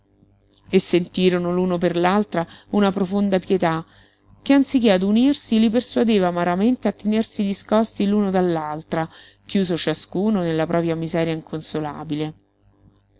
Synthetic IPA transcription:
esːent̪iːɾonoluːnoperlalt̪ɾaunapɾofond̪apjet̪a | k̟eant̪sikead̪unirsiliperswad̪eːvaːmaɾament̪eat̪ːenersid̪iskɔst̪iluːnod̪alːalt̪ɾa | k̟juːzot͡ʃaskuːnonelːapɾʔɔːpɾjamizɛːɾjaiŋkʰonsola̰ːbile

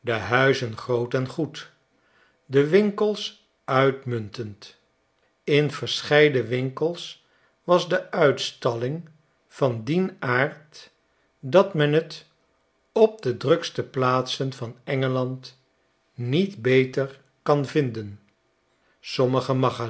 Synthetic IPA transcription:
dəɦœɥzənχrowtɛnχut | dəʋɪŋkəlˠs | œɥtmɵntənt | ɪnvəɹsχɛjdəʋɪŋkəlˠs | ʋɑzdəʔœɥtstɑlɪŋ | v̥ɑndinaːɹt | dɑtmɛnɦət | ɔp̚dədrɵkstəplaːtsənvɑnɛŋəlɑnt | nitbejtər | kɑnvɪndən | sɔməχəmɑχa

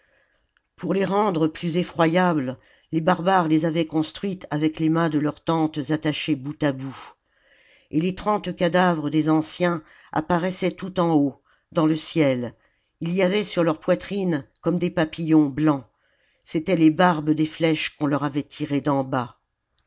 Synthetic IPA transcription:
puʁleʁɑ̃d̪ʁəplyzefχwajabl | lebaʁbaʁlezavɛkɔ̃st̪χɥit̪ʰavɛklemɛ̃d̪əlœʁt̪ɑ̃t̪zat̪aʃebut̪abu | elet̪χɑ̃t̪kʲad̪avʁəd̪ezɑ̃sjɛ̃ | a̰paʁɛsɛt̪ut̪ɑ̃o | d̪ɑ̃ləsjɛl | ilijavɛsyʁlœʁpwat̪χinkɔmd̪epapijɔ̃blɑ̃ | set̪ɛlebaʁbəd̪eflɛʃkɔ̃lœʁavɛt̪ʰiʁed̪ɑ̃ba

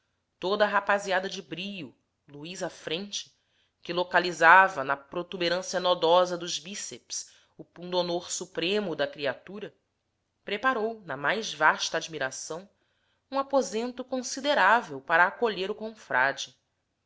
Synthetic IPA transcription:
t̪od̪ɐaɦapaziad̪ɐd͡ʒɪbɾiju | luizafɾẽnt͡ʃɪ̥ | kɪlokalizavɐnɐpɾot̪ubeɾɐ̃siɐnɔd̪ɔzɐd̪ʊzbiseps | ʊpũd̪onoɾsupɾẽmʊd̪ɐkɾiat̪uɾɐ | pɾepaɾownɐmajzvaʃt̪ɐaːd͡ʒmiɾasɐ̃w̃ | ũapozẽnt̪ʊkõsid̪eɾavewpaɾɐːkoʎeɾʊkõfɾa̰d͡ʒɪ

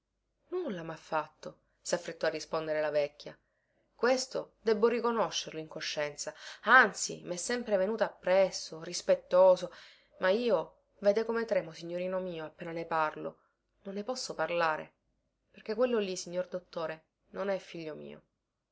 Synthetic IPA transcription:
nulːamafːat̪ːo | safːɾet̪ːɔarːispond̪eɾelavɛkʲːja | kwest̪od̪ɛbːorikonoʃːerloiŋkoʃːɛnt̪saant̪sḭmɛsːɛmpɾevenuːt̪aːpːɾɛsːorispet̪ːoːzo | mʔaiːo | vɛːd̪ekomet̪ɾɛːmosiɲːoɾiːnomiːoapːeːnaneparlo̰ | nonːepɔsːoparlaːɾḛ | perkekːwelːolisiɲːord̪ot̪ːoːɾe | nonɛfːiʎːomḭːo̰

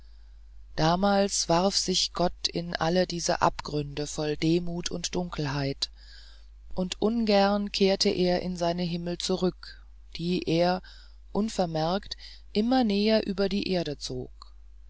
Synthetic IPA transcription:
d̥aːmaːlsv̥aʁfz̥ɪçɡ̥ɔtɪ̰nʔa̰lədiːzə̰ʔa̰pɡ̥ʁʏndəfɔldeːmuːtʰʊntd̥ʊŋkl̩ɦaɪt | ʔʊntʔʊnɡɛɐnkʰeːɐtʰəʔeːɐʔɪ̰nzaɪnəɦɪml̩t͡suʁʏk | d̥iːʔeːɐ | ʔʊnfɛɐmɛɐkt | ʔɪmɐnɛːɐʔyːbɐdiːʔeːɐɾət͡so̰ːk̚

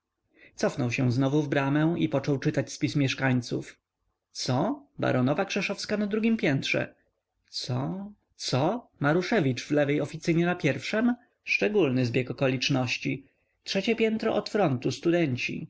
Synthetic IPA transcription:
t̪sɔfnɔwɕɛ̃znɔvuvbɾamɛwipɔt͡ʂɔwt͡ʂɘt̪at͡ɕspʲismʲjɛʂkaɲt̪suf | t̪sɔba̰ɾɔnɔvakʂɛʂɔfskanad̪ɾuɡʲimpʲjɛnt̪ʂɛ̰ | t̪sɔ | t̪sɔmaɾuʂɛvʲit͡ʂvlɛvɛjɔfʲit̪sɘɲɛnapʲjɛɾfʂɛm | ʂt͡ʂɛɡulnɘzbʲjɛkɔkɔlʲit͡ʂnɔɕt͡ɕi | tʂɛt͡ɕɛpʲjɛnt̪ɾɔʔɔt̪fɾɔnt̪ust̪ud̪ɛɲt͡ɕḭ

